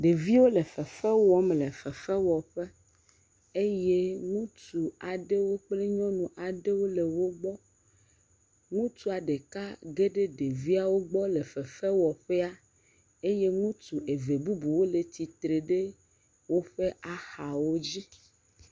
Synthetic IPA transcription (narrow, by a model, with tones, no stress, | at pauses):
ɖe˨vi˦wo˦le˨fɛ˨fɛ˦wɔ˦m˨le˨fɛ˨fɛ˦wɔ˨ɸe˦ | e˦je˦ŋũ˦t̪u˨a˨ɖe˦wo˦k͡ple˦ɲɔ̃˦nũ˨ʔa˨ɖe˦wo˦le˨wo˦ɡ͡bɔ˦ | ŋũ˦t̪u˦a˨ɖe˨ka˦ɡe˦ɖe˦ɖe˨vi˦a˨wo˦ɡ͡bɔ˦le˨fɛ˨fɛ˦wɔ˨ɸɛ˦a˦ | e˦je˦ŋũ˦t̪u˨e˨ve˨bu˦bu˨wo˦le˨t̪i˨t̪ɾe˨ɖe˦ | wo˦ɸe˦ʔa˨xa˨wo˦d͡ʑi˦